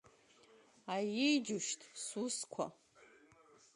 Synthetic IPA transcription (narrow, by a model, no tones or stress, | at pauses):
ajɪjd͡ʒuʃtʰsuskʷʰa̰